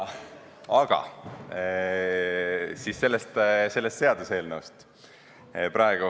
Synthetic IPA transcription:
ɑɡ̥ɑ̰ | sisse̞lːest̪se̞lːest̪se̞ɑd̪̥use̞ːlnewst̪ | pɾɑeɡ̥u

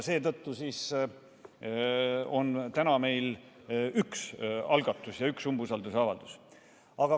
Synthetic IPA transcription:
se̞ːt̪ɤt̪ːusiːs | o̞nt̪ænɑme̞jl | yksɑlɡ̥ɑt̪ːˑusjɑyksumbusɑld̪useɑvɑ̰ld̪̥us | ɑɡ̥ɑ

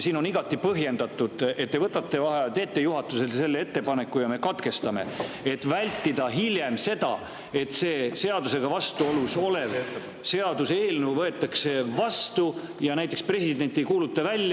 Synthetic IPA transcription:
siːno̞niɡ̥ɑt̪ːˑipɤɦje̞nd̪̥ɑt̪ːˑud̪̥e̞t̪̚ːevɤt̪ːˑɑt̪ːevɑɦet̪e̞ːt̪ːejuɦɑt̪ːˑuse̞lse̞lːeet̪ːe̞pɑne̞kːujɑme̞kɑt̪ke̞st̪ɑme̞̰et̪ːvælʲt̪ːid̪̥ɑɦilʲje̞mse̞d̪ɑ̰ | e̞t̪se̞ːse̞ɑd̪use̞ɡ̥ɑvɑst̪uo̞luso̞le̞v | se̞ɑd̪̥useːlnewvɤe̞t̪ːˑɑkse̞vɑst̪ujɑnæjt̪ːˑe̞kspre̞sid̪̥e̞nʲt̪ːijkuːlut̪ːˑɑvælʲːj

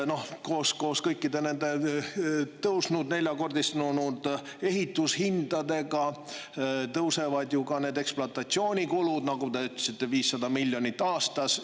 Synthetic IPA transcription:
no̞hko̞ːsko̞ːskɤjkːid̪e̞ne̞nd̪e̞ | t̪ɤwsnud̪ne̞lʲjɑko̞rd̪ist̪nunud̪̥e̞ɦit̪ːˑushind̪̥ɑd̪e̞ɡɑ | t̪ɤwse̞vɑd̪jukɑne̞ːd̪e̞ksploɑt̪ːˑɑt̪sio̞ːnʲikulud̪̥nɑɡut̪eyt̪lesit̪ːˑe̞viːsːɑd̪ɑmilʲjo̞nʲit̪ːˑɑːst̪ɑs

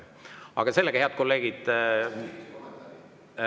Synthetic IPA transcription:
ɑ̰ɡ̥ɑse̞lːeɡɑheɑd̪̚ko̞lːe̞ːɡ̥id̪̥

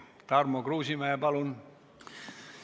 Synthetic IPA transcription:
t̪ɑrmokruːsimæːpɑlun

